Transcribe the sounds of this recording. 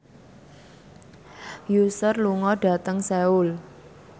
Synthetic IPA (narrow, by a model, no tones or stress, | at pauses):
jusərluŋɔɖ̥ä̤t̪əŋseul